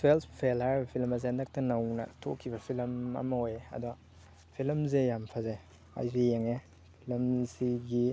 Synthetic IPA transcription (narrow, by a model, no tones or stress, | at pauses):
pʰelspʰelaɾbɐpʰilmɐs̬eandak̚tɐnɐwnɐ̰tʰo̰kʰːibɐpʰilmɐ̰mɐojɐ̰du | pʰilmzejampʰaze | a̰jzijeŋe | pʰilmziɡi